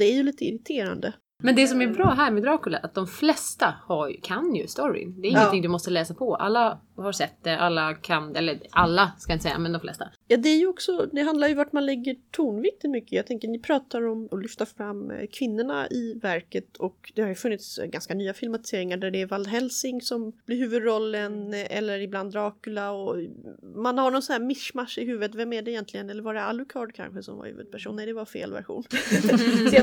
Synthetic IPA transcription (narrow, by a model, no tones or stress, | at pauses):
d̪ɛæɾjɵliːt̪əɪɾɪt̪ʰeːɾa̰nd̪ə | mɛnd̪ɛs̬ɔmæɾbɾɑːɦæɾmɛd̪ɾɑːkɵlaʔat̪̚d̪ɔmflɛst̪ahaɾkʰanjɵ̰st̪ɔɾɪ̰d̪ɛɾɪŋːnt̪ɪŋd̪ɵmɔst̪əlɛːsapʰɔʔa̰lːa | haɾsɛt̪ːd̪ɛʔalːakʰanɛlːəɾalːaskajɪnəsɛ̰jːa̰mɛnd̪ɔmflɛ̰st̪ajɑːd̪ɛæjɵɔksɔd̪ɛɦand̪laɾjɵvaʈmanlɛɡːəʈʰuɳvɪk̚t̪ɪt̪mʏkːəjɑːɡt̪ʰɛŋkənɪpʰɾɑːt̪aɾɔmɔlʏft̪aɾfɾamːkʰvɪnːʊɳa̰ɪvæɾkət̪ʰɔkd̪̥ɛhaɾjɵfɵnːɪt̪sɡanskanyːafɪlmat̪ɪ̥seːɾɪŋaɖæɖɛːvald̪ɦɛlsɪŋsɔmblɪɾɦʉ̟ːvɵd̪ɾɔlːənʔɛ̰lːəɾɪbland̪ɾɑːkʉlaɔ | manhaɳɔnsɔnæːɾmɪʂmaʂːɪɦʉ̟ːvət̪vɛmæɖɛɪjɛnt̪lɪɡənɛlːəɾvaɖɛalʉkʰɑːɖkʰa̰nɧəsɔ̰mva̰ɾhʉ̰ːvə̰d̪pʰæʂṵːnnɛjd̪ɛvaɾfḛːlvæ̰ɾɧṵːn